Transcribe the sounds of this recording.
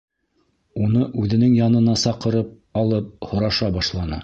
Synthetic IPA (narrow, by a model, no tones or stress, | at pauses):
unɤʔʉðɘ̆nɘŋjɑnɤ̆nɑsɑqɤ̆ɾɤp̚ | ɑlˠɤp̚hŏɾɑʃɑbɑʃlˠɑnɤ